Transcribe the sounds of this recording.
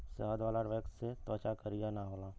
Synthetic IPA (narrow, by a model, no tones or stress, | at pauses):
səɦəd̪ʋaːlaɖʋekset̪əːt͡ʃakəɾijanaɦoːlaː